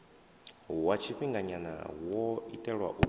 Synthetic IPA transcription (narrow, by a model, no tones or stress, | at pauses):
wat͡ʃʰiɸiŋɡaɲana̰wɔitʼɛɺwa̰ʔu